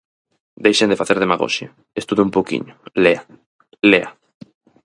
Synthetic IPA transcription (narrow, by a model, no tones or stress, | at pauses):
d̪ejʃend̪efaθeɾðemaɣo̰ʃja | est̪uðʊumpowkḭɲʊlea | lea